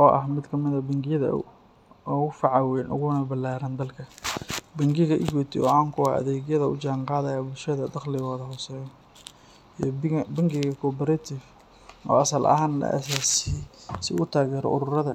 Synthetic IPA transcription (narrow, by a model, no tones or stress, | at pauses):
ʔɔːʔɐhmɪd̪kʰɐmɪðɐbɐŋɡɪjɐðɐ̰ | ɣʊfɑʕɑwɛːnʔʊ̰ɣʊnɐbɐlaːɾɐnd̪ɐlkʰɐbɐŋɡɪɣɐʔɪɣɔt̪ʰɪ̰ɔ̰ːaːŋkʰʊa̰ʔɐ̰ðɛːɣjɐðɐʊ̰t͡ʃaːŋqɑːðɐjaːbʊlʃɐðɐd̪ɑqlɪɣɔːðɐhɔsɛːjɔ | bɐŋɡɪɣɐkʰɔpɛɾɐt̪ʰɪf | ɔ̰ːɐsɐlʔɐ̰ɦaːnlɐ̰ʔɐ̰saːsisɪɣʊt̪ʰaːɣɛːɾɔ̰ʔʊɾʊrɐðɐ